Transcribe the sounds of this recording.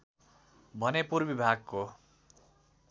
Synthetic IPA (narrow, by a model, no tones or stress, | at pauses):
bʱʌnepurbibʱaɡko